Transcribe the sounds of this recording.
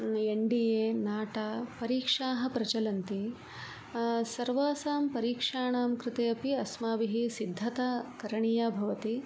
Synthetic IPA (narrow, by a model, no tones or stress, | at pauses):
eɳɖijeːnaːʈaːpɐɾiːkʂaːɦɐ̆pɾɐt͡ʃɐlɐnt̪i | sɐɾʋaːsaːmpɐɾiːkʂaːɳaːmkɾɪt̪eːɐpiɐsmaːʋiɦisid̪ʱːɐt̪aːkɐɾɐɳijabʱɐʋɐt̪i